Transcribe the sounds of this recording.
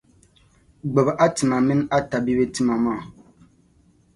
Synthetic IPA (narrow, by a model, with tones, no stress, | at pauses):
ɡ͡bɛ˨bʔa˦tɨ˨ma˨mɨ˦n˦a˦ta˨bi˦be˦ti˦ma˨maː˦˨